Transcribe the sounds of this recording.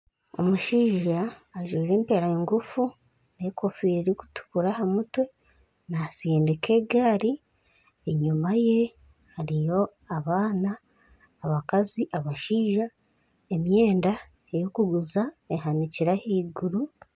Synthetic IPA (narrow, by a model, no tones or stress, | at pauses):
o̞̰muʃiːʒaːʒwiːɾe̞ːmpe̞ɾajeŋɡufu | nekofiːɾiɾiku̥tu̥kuɾahamutwe̞ | naseːndekʰe̞ːɡaːɾi | eɲumaje̞ | haɾijo̞ | aβaːnaː | βakaziʔaβaʃiːʒa | emje̞ːnda | ejokuɡuzaeɦaniciɾahiːɡuɾu